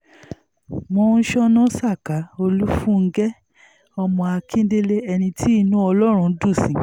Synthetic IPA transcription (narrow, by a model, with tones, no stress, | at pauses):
mɔ̃˧n̩˦ʃɔ˦nɔ̃˦sa˦˨ka˨˦o˧lu˦fũ˦˨ŋ̩˦ɡɛ˦ | ɔ˧mɔ̃˧a˧kʰĩ˦de˦le˦ɛ˧nĩ˧tʰi˦i˦˧nũ˦ɔ˧lɔ˦ɾ̃ũ˧˦dũ˦˨sĩ˨